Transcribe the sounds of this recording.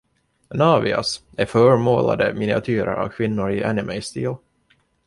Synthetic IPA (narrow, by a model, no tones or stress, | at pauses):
nɑːvɪa̰s | æɾfœːɾmoːla̰d̪əmɪnɪat̪ʰyːɾə̰ɾa̰vkʰvɪnːʊɾɪʔɛnɪmɛɪst̪iːl